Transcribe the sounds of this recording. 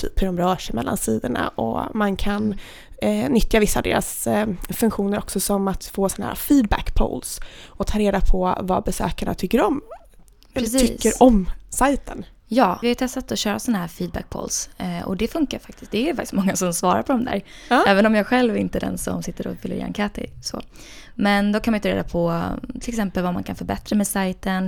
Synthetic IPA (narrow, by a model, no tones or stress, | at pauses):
t̪ʰy̰ːphɵɖɔmɾœːʂɛjmɛ̰lːʔa̰nsiːd̪əɳa̰ʔɔ̰mankʰan | nːʏt̪javɪsːad̪ḛːɾasfɵnŋkɧuːnəɾɔksɔsɔmat̪foːsɔnahæ̰ɾa̰fiːd̪̚bæ̰kpʰo̰lsɔt̪ʰɑːɾeːd̪apʰɔva̰bɛsø̰ːkaɳa̰t̪ʰʏkːəɾɔm | ɛləsʈʰʏkːəɾɔmsajt̪ʰən | jɑːvɪhaɾt̪ʰɛst̪at̪ɔɕœːɾasɔnːaɦæːɾfiːd̪̚bæ̰k̚pʰo̰lsɔ̰d̪ɛfɵŋkaɾfak̚t̪ɪst̪̚d̪ɛːjfakt̪ɪ̥smɔŋːasɔmsvɑːɾa̰ɾpʰɔd̪ɔmd̪æ̰ːɾɛːvənɔmjɑːɡɧɛlvɾɪnt̪əɛd̪ɛ̰nsɔ̰msɪt̪ːəɾɔ̰fɪlːə̰ɾja̰nkʰæːt̪ɪ̰sɔ̰ | mɛnd̪ɔkʰanmajnt̪əɾḛːd̪apʰɔt̪ʰɪlɛksɛmpəlvama̰nkʰanfœɾbɛt̪ɾamɛsajt̪ən